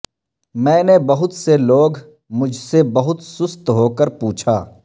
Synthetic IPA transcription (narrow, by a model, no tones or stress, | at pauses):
mɛ̃ːnebɐɦʊt̪seloːɡ | mʊd͡ʒʱsebɐɦʊt̪sʊst̪ɦoːkəɾpuːt͡ʃʰa̰ː